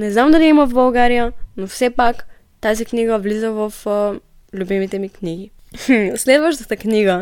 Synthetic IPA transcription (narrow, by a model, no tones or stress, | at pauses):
nɛznamd̪ɐliiməvbɐlˠɡaɾijənofsɛpak | t̪azikniɡəvlizəvəf | lʲubimit̪ɛmikniɡi | slɛd̪vəʃt̪ət̪əkniɡə